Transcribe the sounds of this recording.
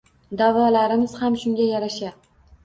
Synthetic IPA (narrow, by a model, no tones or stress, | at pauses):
d̪avɒlaɾɪmɪz̥hamʃʊŋɡʲajaɾaʃa